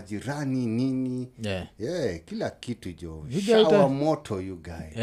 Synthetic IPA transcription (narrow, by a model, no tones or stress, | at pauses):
d͡ʒiɾanininijɛkilakitud͡ʒɔʃɡawamɔtʰɔjuɡaɛ